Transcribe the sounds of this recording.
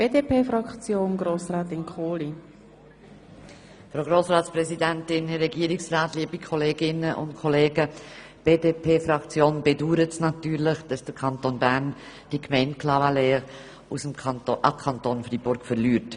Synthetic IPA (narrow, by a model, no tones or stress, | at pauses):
b̥eːdeːpeːfɾɑkt͡sjoːnɡɾoːsɾaːtɪnkʰoːli | fɾoʊɡɾoːsɾaːtsprɛsidɛntɪnhɛɾɛɡiːəɾɪksraːtliːəbikʰɔleːɡɪnəʔʊ̰ntkʰɔleːɡə | b̥eːdeːpʰeːfɾɑkt͡sjoːnb̥eduːɾətsnɑtyːɾlɪχd̥ɑsd̥əɾkʰɑntonbæɾn | d̥ikmɛɪntkʰlɑvaleː | usəmʔɑkʰɑntonfɾiːbʊɾkfəɾlyːɾt